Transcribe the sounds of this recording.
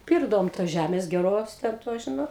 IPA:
ˈpʲɪrɡdɐʋoːm toːs ˈʒʲæmʲeːs ɡʲɛˈroːs ˈtʲɛn toːs ˈʒʲɪnoːt

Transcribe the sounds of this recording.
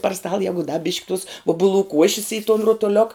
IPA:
pɐr stɐlˠ ˈjæːɡʊ dɐ bʲɪʃʲkʲ tʊs ˈʊbʊˌlˠuː ˈkuɔʃʲɪs ɪ toːn roːtoːˈlʲoːk

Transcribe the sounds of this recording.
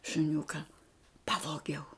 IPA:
ʃʊˈnʲʊkɐ ˈpɑːʋoːɡʲɛʊ

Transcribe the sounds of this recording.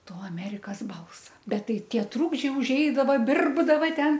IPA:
ˈtoː ɐˈmʲæːrʲɪkɐs ˈbɐlˠsɐ ˈbʲɛt ˈtɐɪ ˈtʲiɛ ˈtruːɡd͡ʒʲɛɪ ʊʒʲˈɛɪdɐʋɐ ˈbʲɪrbdɐʋɐ ˈtʲɛn

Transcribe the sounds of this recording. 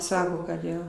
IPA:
ˈsɑːkoː kɐt ˈjoː

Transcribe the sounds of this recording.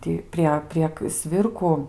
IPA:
ˈtʲiː pʲrʲiɛ pʲrʲiɛk ˈsʲʋʲɪrkʊ

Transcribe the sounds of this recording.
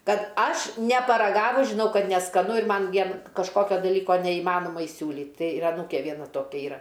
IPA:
ˈkɐt ˈɐʃ nʲɛpɐrɐˈɡɑːʋʊs ʒʲɪˈnɐʊ ˈkɐt nʲɛskɐˈnʊ ɪr ˈmɐn ˈʋʲiɛn kɐʃˈkoːkʲoː dɐˈlʲiːkoː nʲɛiːˈmɑːnoːmɐ ɪˈsʲuːlʲiːt ˈtɐɪ ɪr ɐˈnuːkʲeː ˈʋʲiɛnɐ ˈtoːkʲɛ ˈiːrɐ

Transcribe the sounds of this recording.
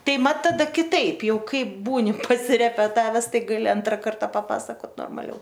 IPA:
ˈtɐɪ ˈmɐt tɐˈdɐ kʲɪˈtɐɪp ˈjɛʊ ˈkɐɪp ˈbuːnʲɪ pɐsʲɪrʲɛpʲɛˈtɑːʋʲɛs ˈtɐɪ ɡɐˈlʲɪ ˈɐntrɐ ˈkɐrtɐ pɐˈpɑːsɐkoːt noːrmɐˈlʲɛʊ

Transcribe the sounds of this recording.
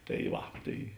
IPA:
tɐɪ ˈʋɐ ˈtɐɪ

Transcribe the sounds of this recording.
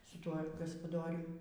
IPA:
sʊ ˈtuɔ ɡɐspɐˈdoːrʲʊm

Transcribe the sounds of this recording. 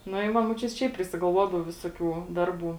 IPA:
nʊ ɪ ˈʋɐ muɔˈt͡ʃʲʊtʲ ˈʃʲɛɪp pʲrʲɪsʲɪɡɐlˠˈʋuɔdɐʋoː ˈʋʲɪsoːˌkʲuː ˈdɐrˌbuː

